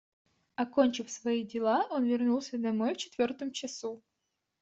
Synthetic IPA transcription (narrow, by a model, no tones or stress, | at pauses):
ɐkonʲt͡ɕɪfsvɐidʲɪlˠao̞nvʲɪrnulˠsʲəd̪ɐmo̞jft͡ɕɪ̥t̪vʲort̪əmt͡ɕɪsu